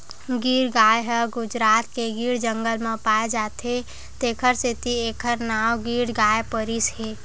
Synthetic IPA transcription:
ɡiːɾɡaːjɦəɡʊd͡ʒɾaːt̪̚keɡiːɾd͡ʒə̃ŋɡəlmẽpaːed͡ʒaːt̪ɦe | t̪eːkʰəɾsit̪ieːkʰəɾnaːwɡiːɽɡaːepəɾisɦeː

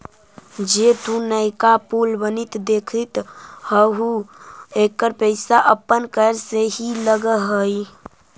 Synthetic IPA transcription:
d͡ʒet̪ũnəɪkapulbənit̪d̪ekʰit̪həɦuekəɾpəɪsaʔəpːənkəɾseɦiləɡəɦəj

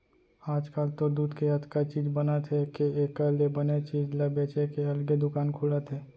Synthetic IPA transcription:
aːd͡ʒkaːlt̪od̪uːd̪keɦɐt̪kat͡ʃiːd͡ʒbɐnat̪ʰekeeːkalebɐnet͡ʃiːd͡ʒlabeːt͡ʃekeɐlɡed̪ʊkaːnkʰuːlat̪ʰeː

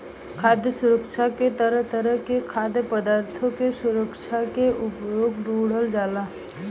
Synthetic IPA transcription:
kʰaːd̪jəsʊɾəkʃʰaket̪əɾəɦt̪əɾəɦkekʰaːd̪jəpəd̪aːɾt̪ʰõkesʊɾəkʃʰakeʔʊpjoːɡɾuːɽəld͡ʒaːlaː

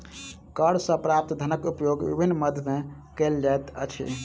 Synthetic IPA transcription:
kəɾsə̃pɾap̚t̪d̪ʱənəkupjoɡbḭbʱinːməd̪ʱme | kəld͡ʒaet̪ə̰t͡ʃʰḭ

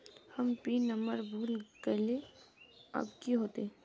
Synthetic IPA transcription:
hɐmpiːnəməɾbʱuːlkəɾle | ɐ̰bkiɦoːt̪e

